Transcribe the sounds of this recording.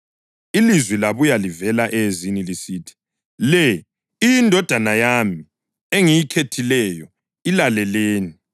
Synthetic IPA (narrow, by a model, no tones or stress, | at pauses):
ilizwilaβujalivɛlaʔɛzinilisiːtʰi̥ | lɛ | indʱɔd̥ʱanajami | eŋijikʰetʰilɛjɔ | ilalɛleːni